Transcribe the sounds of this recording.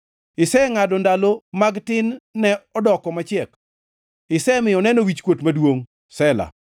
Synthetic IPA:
ɪsɛŋadɔndalomaɡtɪnːɛɔdɔkɔmat͡ʃɛk | ɪsɛmɪjɔnɛnowit͡ʃkwotmadwoŋ | sɛla̰

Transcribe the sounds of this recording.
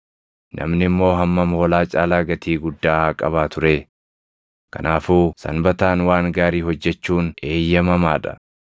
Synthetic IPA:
nʔɐ̰mnɪmːo̞ːɦɐmːɐmhoːlaːt͡ʃʼaːlaːɡɐt̪iːɡʊd̪ːaːaːkʼɐβaːt̪ʊɾeː | kɐ̰naːfuːsɐ̰nbɐt̪aːnwaːŋɡaːɾiːhɔd͡ʒːɛt͡ʃːuːne̞ːjːɐmɐmaːᶑɐ̥̰

